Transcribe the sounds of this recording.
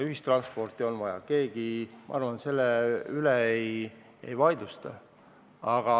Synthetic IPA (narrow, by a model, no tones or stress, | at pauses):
yɦist̪rɑnspo̞rt̪ˑio̞nvɑjɑ̰ke̞ːɡ̥imʔɑ̰ɑrvɑnt̪se̞lːeyleej | ḛjvɑjd̪ust̪ɑ | ɑɡ̥ɑ